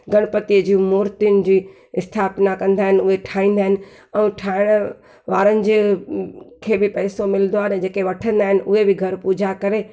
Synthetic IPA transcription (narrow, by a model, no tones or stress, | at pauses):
ɡɐɽ̃pɐt̪iəd͡ʑiːmoːɾt̪ijʊnɪ̆d͡ʑiː | ɪst̪ʰaːpnakɐ̃nd̪aːɦɪnɪ̆ʊɦeʈʰaːĩːn̆d̪aɦɪnɪ̆ | ɛ̃ːʈʰaːɪɽ̃ | ʋaːɾənɪ̆d͡ʑ | kʰeːbɪpɛːsomɪlənd̪oaːɦnɛd͡ʑeːkeʋɐʈʰə̃nd̪aːɦɪnɪ̆ʔʊɦebɪɡʱɐɾpuːd͡ʑakɐɾe